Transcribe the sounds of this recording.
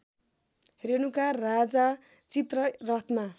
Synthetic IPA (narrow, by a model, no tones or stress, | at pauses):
ɦeɾenukarad͡za | t͡sit̪rʌrʌt̪ʰma